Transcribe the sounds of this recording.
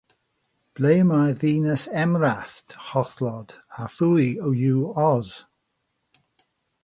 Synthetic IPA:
b̥lejmajðiːnəsɛmɹaθthɔθlɔd̥afujəwjuːɔz̥

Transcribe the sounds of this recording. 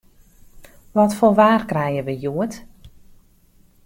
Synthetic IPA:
ʋɔtfolʋaːrkrɛjəʋəjuət

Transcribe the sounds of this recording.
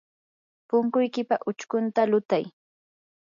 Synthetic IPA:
pʊŋkʊjkɪpaʔʊt͡ʃkʊnt̪alʊt̪aj

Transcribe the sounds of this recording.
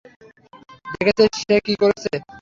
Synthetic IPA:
d̪ekʰet͡ɕʰeʃekikoɾet͡ɕʰe

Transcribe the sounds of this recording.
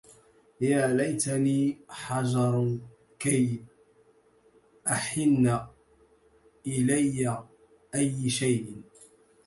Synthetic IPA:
jaːlajt̪aniːħɑd͡ʒɑɾˤ | kaj | ʔaħɪnːa | ʔɪlajːa | ʔajːʃajʔɪ

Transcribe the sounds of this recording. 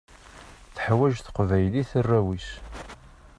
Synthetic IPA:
θəħwæʒθə̥qvæjliθərːæwis

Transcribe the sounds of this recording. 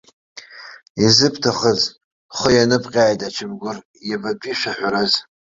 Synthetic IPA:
izɨpʰtʰaχəz | χʷəjanɨpʼqʲʼaːjtʼat͡ʃʰɪmɡʷʊr | jababʼiʃᶣaħʷaɾaz

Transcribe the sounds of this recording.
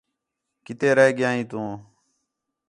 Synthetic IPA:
kɪt̪eːɾəɦɡɪjaːĩːt̪ũː

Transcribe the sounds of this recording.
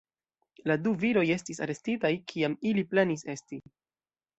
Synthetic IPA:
laduviɾo̞je̞stisa̰ɾe̞stitajkʰiamiliplenise̞sti

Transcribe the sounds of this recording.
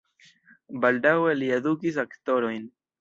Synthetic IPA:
baldawe̞liedukis̬akto̞ɾo̞jn

